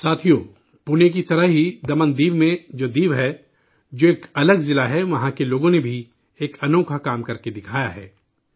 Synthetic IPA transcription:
saːt̪ʰijoː | puːnek̬it̪ɐɾəɦɦid̪ɐmə̃nd̪iːʋmẽd͡ʒoːd̪iːʋɦɛ | d͡ʒoːeːkɐləɡzɪlaɦɛʋɐɦãkeloːɡõnebʱi | eːkɐnoːkʰakaːmkɐɾked̪ɪkʰaːjaɦɛ̰ː

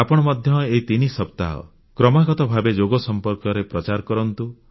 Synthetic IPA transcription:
apɔɽ̃ɔmɔd̪ʱjɔet̪inisɔp̚t̪a̰ɦɔ̰ | kɾɔmaɡɔt̪ɔbʱabed͡ʒoɡɔsɔmpɔɾkɔɾepɾɔt͡ʃaɾkɔɾɔnt̪u

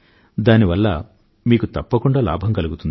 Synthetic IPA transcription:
d̪aːniʋɐlːɐ | miːkut̪ɐpːɐkuɳɖaːla̰ːbʱɐmkɐluɡut̪und̪i

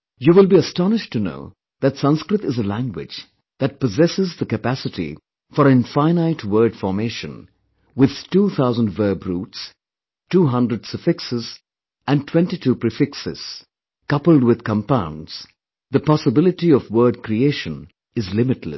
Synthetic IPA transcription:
juwɪlˠbiəstɑnɪʃtuno̰ʊ | ðætsʌ̃nskɾɨt̪ɪzəlæ̃ŋɡwɪ̰d͡ʒ | ð̥æt̚pɔzɛsɪzðəkɨpæsɪtḭ | fɔɾɨ̃nfãɪnaɪtʰwɜ˞dfɔɾmeʃə̰̃n | wɪð̥tuːθʰaʊzə̃ndvəːbɾuːts | tuːɦʌ̃ndɾəɖsəfɪksɪz | æ̃ntʰwɛ̃ntitʰuːpɹifɪksɪ̰z̥ | kʌpəl̩ˠdwɪð̥kə̃mpãʊ̃ndz̥ | ðəpɑsəbɪlɪʈiɔvwɜːɖ̚kɾieɪʃə̃n | ɨzlɪmɨtlə̰s

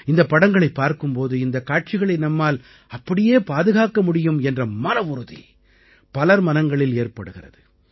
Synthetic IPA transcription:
ɪnd̪ɐpːɐɽɐŋɡɐɭɐɪpːaːɾkɯmpoːðɯɪnd̪ɐkːaːʈ̚t͡ʃɪɣɐɭɐɪnɐmːaːl | ɐpːɐɽɪjeːpaːðɯɣaːkɐmʊɽɪjɯmɛndrɐmɐnɐʊɾɯðḭ | pɐlɐɾmɐnɐŋɡɐɭɪleːrpɐɽɯɣɪrɐ̰ðɯ

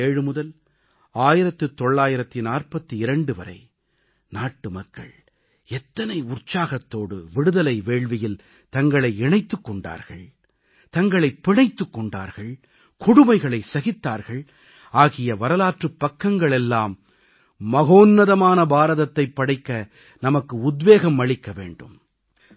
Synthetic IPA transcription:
eːɻɯmʊðɐl | aːjɪɾɐt̪ːɯt̪ːɔɭːaːjɪɾɐt̪ːinaːrpɐt̪ːɯɪɾɐɳɖɯʋɐ̰ɾɐ̰ɪ | naːʈːɯmɐkːɐ̰ɭ | ɛt̪ːɐnɐɪʊrt͡ʃːaːɣɐt̪ːoːɽɯ̰ʋɪɽɯðɐlɐɪʋeːɭʋɪjɪl | t̪ɐŋɡɐɭɐɪɛɳɐɪt̪ːɯkːɔɳɖa̰ːɾɣɐɭ | t̪ɐŋɡɐɭɐɪpːɪɳɐɪt̪ːɯkːɔɳɖa̰ːɾɣɐɭ | kʊɽʊmɐɪɣɐɭɐɪsɐɣɪt̪ːa̰ːɾɣɐɭ | ʔaːɣɪjɐʋɐɾɐlaːʈrɯpːɐkːɐŋɡɐɭɛlːaːmː | ɐɣoːnːɐðɐmaːnɐbaːɾɐðɐt̪ːɐɪpːɐɽɐɪkːɐ | nɐmɐkːɯʊd̪ʋeːɣɐmːɐɭɪkːɐʋḛːɳɖɯ̰m

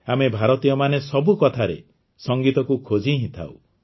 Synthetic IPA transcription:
amebʱaɾɔt̪ijɔmanesɔbukɔt̪ʰaɾḛ | sɔŋɡit̪ɔkukʰod͡ʒʱiɦĩt̪ʰa̰w̰

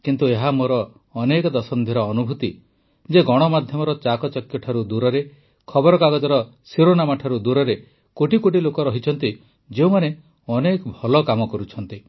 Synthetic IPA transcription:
kint̪ueɦamoɾɔː | nekɔd̪ɔsɔnd̪ʱiɾɔːnubʱut̪i | d͡ʒeɡɔɽ̃ɔmad̪ʱjɔmɔɾɔt͡ʃakɔt͡ʃɔkjɔʈʰaɾud̪uɾɔɾe | kʰɔbɔɾɔkaɡɔd͡ʒɔɾɔ | siɾonamaʈʰaɾud̪uɾɔɾe | koʈikoʈ̬ilokɔɾɔɦit͡ʃʰɔnt̪i | d͡ʒeũmane | ɔnekɔbʱɔlɔkamɔkɔɾut͡ʃʰɔnt̪i

